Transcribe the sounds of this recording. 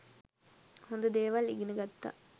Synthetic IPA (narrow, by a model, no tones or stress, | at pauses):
hond̪əd̪eːʋaliɡinəɡat̪ːa̰